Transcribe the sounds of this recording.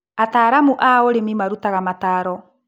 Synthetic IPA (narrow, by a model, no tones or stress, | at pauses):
ataːɾamuʔaoɾemimaɾutaɣamataːɾɔ